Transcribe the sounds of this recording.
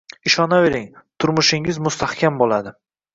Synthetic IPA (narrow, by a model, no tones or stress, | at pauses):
ɪʃɒnave̞ɾɪŋt̪ʰʊɾmʊʃɪŋɪzmʊst̪ʰahkʲʰambolad̪ɪ